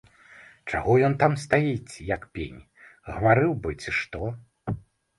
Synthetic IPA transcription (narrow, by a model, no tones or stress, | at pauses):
t͡ʂa̰ɣɔjɔnt̪amst̪ajit͡sʲjɐkpʲḛnʲ | ɣɐvaɾɨwbɨt͡sʲiʂt̪ɔ